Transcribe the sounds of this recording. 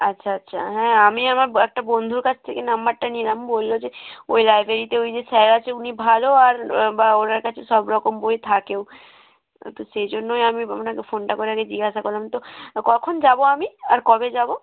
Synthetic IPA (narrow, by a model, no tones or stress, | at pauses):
atːɕʰaatːʃʰa̰ɦɛ̃amiamaɾɛk̚ʈabond̪ʱuɾkat͡ɕʰt̪ʰekenambaɾʈanielambolːod͡ʑeo̰jlajbʱɾeɾit̪eojd͡ʑesɛɾat͡ɕʰeunibʱaloaɾbaoɾaɾkat͡ɕʰesɔbɾɔkomboet̪ʰakeo | t̪osejd͡ʑonːojamianakefonʈakoɾeaɡed͡ʑiɡaʃakoɾlamt̪okɔkʰond͡ʑaboamiaɾkɔbed͡ʑabo